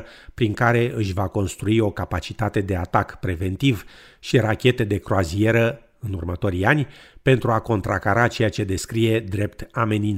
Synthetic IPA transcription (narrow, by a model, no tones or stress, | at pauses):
pɾiŋkaɾe̞ʔɨʃʲvako̞nst̪ɾuio̞kapat͡ʃit̪at̪e̞d̪e̞at̪akpɾe̞ve̞nt̪iv | ʃiɾakʲe̞t̪e̞d̪e̞kɾoazie̞ɾə | ɨnurmət̪o̞ɾijanʲpe̞nt̪ɾuako̞nt̪ɾakaɾat͡ʃe̞jat͡ʃe̞d̪e̞skɾije̞d̪ɾe̞pt̪ame̞nin